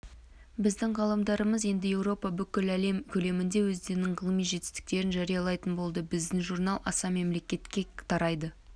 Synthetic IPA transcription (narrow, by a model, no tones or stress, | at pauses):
bɪzd̪ɪŋʁɑlˠɑmd̪ɑɾəməzje̞nd̪ɪje̞wɾo̞pɑbʏkʲɪlæle̞mkʲʰɵle̞mɪnd̪e̞wɵzd̪e̞ɾɪnɪɴʁəlˠəmijʒe̞t̪ɪ̥st̪ɪ̥k̚t̪e̞ɾɪnʒæɾijɑlˠɑjt̪ənbo̞lˠd̪əbɪzd̪ɪŋʒuɾnɑlˠʔɑsɑme̞mle̞kʲe̞t̪kʲe̞t̪ʰɑɾɑjd̪ə